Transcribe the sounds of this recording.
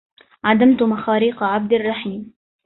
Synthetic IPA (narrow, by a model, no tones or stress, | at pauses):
ʕad̪amt̪ʊmaxɑːɾiːqʕab̚d̪ɑrˤːɑħiːm